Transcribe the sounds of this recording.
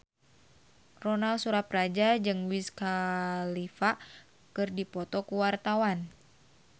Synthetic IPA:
rɔnalsuɾaprad͡ʒad͡ʒɨŋwiskalifa | kɨrdipɔt̪ɔkuwart̪awan

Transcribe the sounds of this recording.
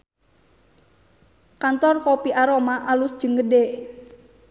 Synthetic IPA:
kant̪ɔrkopiʔaɾomaʔalusd̥d͡ʒ̥əŋɡəde

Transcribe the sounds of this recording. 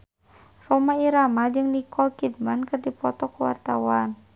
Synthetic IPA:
rɔmaiɾamad͡ʒɨŋnikɔlkid̚mankɨrdipɔt̪ɔkuwa̰rt̪a̰wan

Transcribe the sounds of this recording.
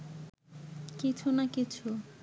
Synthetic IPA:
kit͡ɕʰunakit͡ɕʰu

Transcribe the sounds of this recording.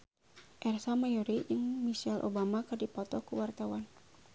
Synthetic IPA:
ʔɛrsamajɔɾijəŋmisɛlʔo̰bamakərdipɔt̪ɔkuwart̪awan

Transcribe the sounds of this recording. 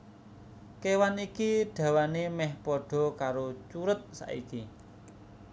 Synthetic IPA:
kewanikiɖ̥ä̤wanemɛhpɔɖ̥ɔ̤kaɾot͡ʃuɾət̪̚sa̰ʔḭki

